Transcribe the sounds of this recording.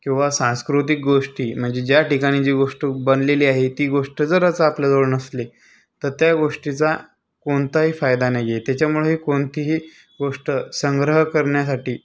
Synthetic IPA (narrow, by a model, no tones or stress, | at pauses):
kĩw̃ʋasãnskɾut̪ik̚ɡoʂʈiːm̤əɳd͡zed͡ʑjaʈikaɽ̃id͡ʑiːɡoʂʈəbənleliːaɦet̪iːɡoʂʈəd͡zəɾət͡sapljad͡zoɭnəsle | t̪əɾt̪jaɡoʂʈit͡sa | koɳt̪aɦiːfajd̪anajeet̪jat͡ɕjamuɭeɦiːkoɳt̪iɦiː | ɡoʂʈəsəŋɡɾəɦəkəɾɳjasaʈiː